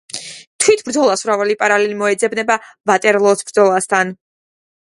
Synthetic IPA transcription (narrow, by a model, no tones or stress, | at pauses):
t̪ʰwit̪ʰb̥ɾd̪zɔlˠasuɾavɛlipʼaɾalɛlimɔɛd̪zɛbnɛbavat̪ʼɛɾlˠɔsbɾd̪zɔlˠast̪ʰan